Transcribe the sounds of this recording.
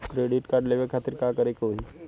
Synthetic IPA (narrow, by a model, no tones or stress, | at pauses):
kɾeːɖɪʈkaɾɖleʋekʰaːt̪ɪɾkakəɾekoɦi